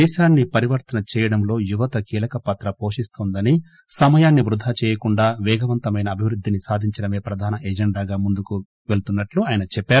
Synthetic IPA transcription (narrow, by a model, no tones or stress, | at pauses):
ɛːʃaːnːipɐɾiʋɐɾt̪ɐnɐt͡ʃɛːjɐɽɐmlo̞ːjuʋɐt̪ɐkiːlɐkɐpɐt̪ɾɐpo̞ːʂist̪oːnd̪ɐni | sɐmɐjaːnːiʋɾud̪ʱaːt͡ʃɛːjɐkuɳɖaːʋɛːɡɐʋɐnt̪ɐmɐjnɐːbʱiʋɾud̪ʱːinisaːd̪ʱiɲt͡ʃɐɽɐme̞ːpɾɐd̪ʱaːnɐʔeːd͡ʒeɳɖaːɡaːmund̪uku | ʋelt̪unːɐʈluaːjɐnɐt͡ʃɛpːaːɾu